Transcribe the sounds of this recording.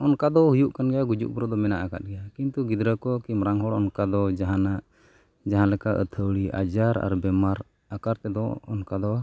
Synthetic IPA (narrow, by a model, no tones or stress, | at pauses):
ɔnkad̪ɔhujuʔkanɡɛjaɡud͡ʒṵʔbɾɔd̪ɔmɛnaʔaka̰t̪̚ɡɛjakint̪uɡid̪ɾəkɔkimɾaŋɦɔɽɔnkad̪ɔd͡ʒaɦanaʔ | d͡ʒaɦãlɛkaʔə̰t̪ʰəwɽia̰d͡ʒaɾa̰ɾbɛmaɾ | akaɾt̪ɛd̪ɔɔnkad̪ɔ